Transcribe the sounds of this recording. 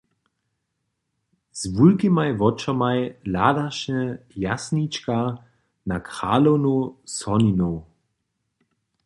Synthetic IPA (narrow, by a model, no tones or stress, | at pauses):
z̥vulkimajvɔt͡ʃɔmajlaːdaʃɲɛjasnit͡ʃka | nakʁa̰ːlownusɔninow